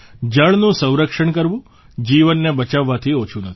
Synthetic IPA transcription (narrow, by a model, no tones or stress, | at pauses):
d͡ʒəɭnũsə̃w̃ɾəkʂəɳkəɾʋũ | d͡ʒiʋənːebət͡ʃaʋːat̪ʰiot͡ʃʰunət̪ʰ